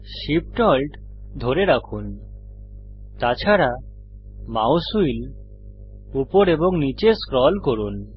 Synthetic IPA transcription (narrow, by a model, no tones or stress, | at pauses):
ʃip̚ʈɔlʈ | d̪ʱoɾeɾakʰun | t̪at͡ɕʰaɾa | mawsuil | upoɾeboŋnit͡ɕeskɾɔlkoɾun